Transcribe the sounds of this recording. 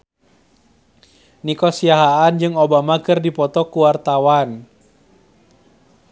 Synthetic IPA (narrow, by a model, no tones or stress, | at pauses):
nikɔsiaɦaːnd͡ʒɨŋobamakɨrdipɔt̪ɔkuwart̪awan